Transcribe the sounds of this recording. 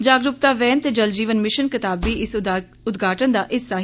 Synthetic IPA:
d͡ʒaːɡɾʊp̚t̪aːʋɛ̃ːnt̪eːd͡ʒəld͡ʒiːʋənmɪʃənkɪt̪aːbːiːɪs | ʊd̪ɡʱaːʈənd̪aːʔɪsːaːɦ

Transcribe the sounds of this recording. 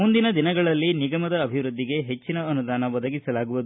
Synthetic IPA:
mund̪inɐd̪inɐɡɐɭɐlːiniɡɐmɐd̪ɐːbʱiʋɾud̪ːiɡe̞ɦe̞t͡ʃːinɐɐnud̪aːnɐʋɐd̪ɐɡisɐlaːɡuʋud̪u

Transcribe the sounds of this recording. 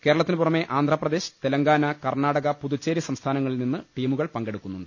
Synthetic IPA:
ke̞ːɾɐɭɐt̪ːinɨpurɐme̞ʔaːnd̪ʱrɐprɐd̪e̞ːɕɨ̥t̪elɐŋɡaːnɐkɐrɳaːɽɐɣɐpuðut͡ɕːeːɾjiɐsɐmst̪ʰaːnɐŋːɐɭilninːɨʈiːmuɣɐɭpɐŋɡe̞ɽukːunːunɖɨ

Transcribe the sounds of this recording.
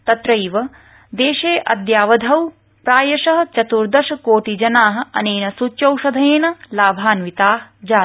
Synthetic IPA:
t̪ɐt̪ɾɐjʋɐ | d̪eːʃeːʔɐ̰d̪jaːʋɐd̪ʱɐw | pɾaːjɐʃɐɦɐ̆t͡ʃɐt̪uɾd̪ɐʃɐkoːʈid͡ʒɐnaːɦɐ̆ɐ̰neːnɐsut͡ʃɐwʃɐd̪ʱɐjeːnɐlaːbʱaːnʋit̪aːd͡ʒaː

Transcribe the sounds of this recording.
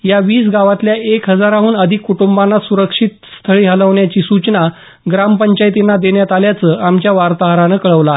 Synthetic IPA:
jaʋiːsɡaʋat̪ljaʔekɦəd͡zaɾaɦuːnəd̪ʱikːuʈumbanːasuɾəkʂit̪st̪ʰəɭiːɦələʋɳjat͡ɕiːsut͡ɕna | ɡɾampəɲt͡ɕajt̪inːad̪eɳjat̪aljat͡səʔamt͡ɕjaʋaɾt̪aɦɾanəkəɭəʋla

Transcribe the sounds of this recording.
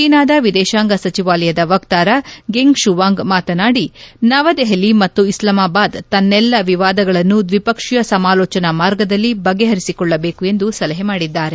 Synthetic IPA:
iːnaːd̪ɐʋid̪ɛːʃaːŋɡɐsɐt͡ʃiʋaːlɐjɐd̪ɐʋɐkt̪aːɾɐɡeŋɡʃuʋaːŋɡmaːt̪ɐnaːɽinɐʋɐd̪eɦɐlimɐt̪ːuislɐmaːbaːd̪t̪ɐnːɛlːɐʋiʋaːd̪ɐɡɐɭɐnːud̪ʋipɐkʂijɐsɐmaːlɔːt͡ʃɐnɐmaːɾɡɐd̪ɐlːibɐɡeɦɐɾisikɔɭːɐbeːkue̞nd̪usɐlɐɦemaːɽid̪ːaːɾe

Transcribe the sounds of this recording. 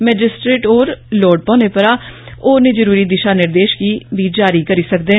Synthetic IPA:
mɛːd͡ʒɪsʈɾeːʈoːɾloːɖpɔ̃ːneːpəɾaː | oːneːd͡ʒəɾuːɾiːd̪ɪʃaːnɪɾd̪eːʃkiːʋiːd͡ʒaːɾiːkəɾiːsəkd̪eː

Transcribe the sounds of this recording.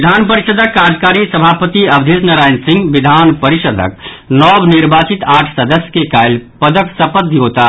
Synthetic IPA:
d̪ʱaːnpəɾiʃəd̪ʱəkːad͡ʒkaːɾisəbʱaːpət̪iɐbd̪ʱisnəɾaːɪnsĩŋɡʋid̪ʱaːnpəɾiʃəd̪ʱə̰k | nɔːbniɾbaːt͡ʃit̪aːʈʰsəd̪əsjə̥kekajlpəd̪əksəpəd̪ʱiɦot̪a

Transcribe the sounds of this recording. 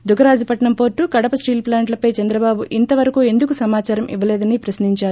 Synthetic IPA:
d̪ukɐɾaːd͡ʒipɐʈɳɐmpo̞ːɾʈːukɐɽɐpɐsʈiːlplaːɳʈlɐpɐjt͡ʃɛnd̪ɾɐbaːbuʔint̪ɐʋɐɾɐkue̞nd̪uk̬usɐmaːt͡ʃaːɾɐmʔiʋɐlɛːd̪ɐnipɾɐsniɲt͡ʃaːɾu

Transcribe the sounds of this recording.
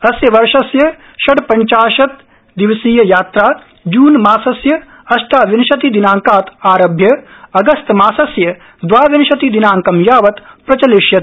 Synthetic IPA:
ɐsjɐʋɐɾʃɐsjɐ | ʃɐɽpɐɲt͡ʃaːʃɐt̪ | d̪iʋsiːjɐjaːt̪ɾaː | d͡ʒuːnmaːsɐsjɐ | ɐʃʈ̪aːʋinʃɐt̪id̪inaːŋkaːt̪aːɾɐbʱjɐɐɡɐst̪maːsɐsjɐ | d̪ʋaːʋinɐʃɐt̪id̪inaːŋkɐmjaːʋɐt̪pɾɐt͡ʃɐliʃjɐt̪

